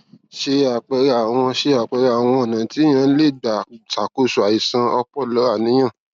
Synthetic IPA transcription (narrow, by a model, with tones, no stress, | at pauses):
ʃe˧a˨k͡pɛ˧ɾa˨w̃ɔ̃˧ʃe˧a˨k͡pɛ˧ɾa˨w̃ɔ̃˧ɔ˨nã˨˦ti˨˦j̃ã˧˦le˦˨da˨ta˨ko˦˨su˨a˨i˨sã˧ɔ˧k͡pɔ˦˨lɔ˨˦a˦˨nĩ˨˦j̃ã˦˨